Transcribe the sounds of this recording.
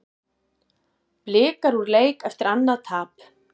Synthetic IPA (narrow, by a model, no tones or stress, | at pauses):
plɪːkaɾuɾleːjkɛft̪ɪɾanːaðt̪ʰaːp